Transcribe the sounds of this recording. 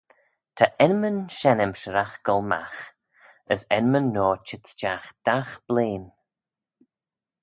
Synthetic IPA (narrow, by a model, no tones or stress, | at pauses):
t̪ʰəʔɛnmənʃɛnəmʃəɾaxɡ̥ɔlˠma̰x | əsɛnmənːɔːt͡ʃɪtt͡ʃaxd̪̥axb̥leːn